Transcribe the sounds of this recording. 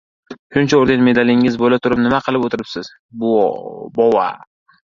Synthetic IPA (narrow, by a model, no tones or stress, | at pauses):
ʃʊnt͡ʃʰaoɾɡʲanme̞d̪alɪŋɪzbolat̪ʰʊɾɪp̚nɪmaqʰɨlˠɪpot̪ʰɪɾɪpsɪz̥ | bʊbɒwa̰